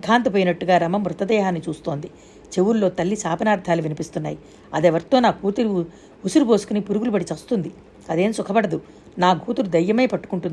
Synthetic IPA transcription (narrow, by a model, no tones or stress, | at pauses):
kʰːaːnt̪ɐp̬oːjinɐʈːuɡaːɾɐmɐmɾut̪ɐd̪ɛːɦaːnːit͡ʃuːst̪o̞ːnd̪i | t͡ʃe̞wuɾlo̞ːt̪ɐlːisaːpɐnaːɾd̪ʰʱaːluʋinipist̪unːa̰ːji | ɐd̪eːʋɐɾt̪oːnaːɡʱuːt̪uɾu | usuɾubo̞ːsu̥kunipuɾuɡulubɐɽit͡ʃɐst̪und̪i | ɐd̪e̞ːmsukʰɐbɐɽɐd̪u | naːɡʱuːt̪uɾud̪ɐjːɐmeːpɐʈːukuɳʈund̪i